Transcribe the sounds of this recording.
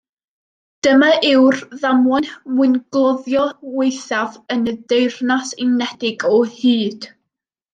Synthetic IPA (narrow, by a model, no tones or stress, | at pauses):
d̥əmaʔɪwrðamwɔnmwɪnɡ̥lˠɔðjɔwejθavənədejrnasɪnɛdɪɡɔhiːd̥